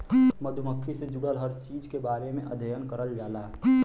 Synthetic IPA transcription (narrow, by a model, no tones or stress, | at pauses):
məd̪ʱməkʰːised͡ʒʊɽəlɦəɾt͡ʃiːd͡ʒkebaːɾemẽʔɐ̰d̪ʱəjənkəɾəld͡ʒaːlaː